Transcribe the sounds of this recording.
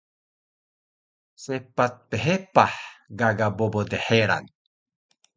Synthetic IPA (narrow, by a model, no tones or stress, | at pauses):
sepat̪̚peɦepaħɡaɡabobod̪eħeɾa̰n